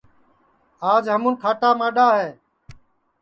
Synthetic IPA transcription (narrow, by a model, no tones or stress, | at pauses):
aːd͡ʒɦəmuːnkʰaːʈaːmaːɗaːɦeː